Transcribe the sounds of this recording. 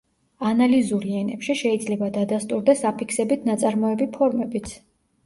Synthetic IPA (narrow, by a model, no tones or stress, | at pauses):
analizuɾiɛnɛpʃiʃɛid̪zlɛbad̪ad̪ast̪ʼuɾd̪ɛsapʰikʰsɛbit̪ʰnat̪sʼaɾmɔɛbipʰɔɾmɛbit̪sʰ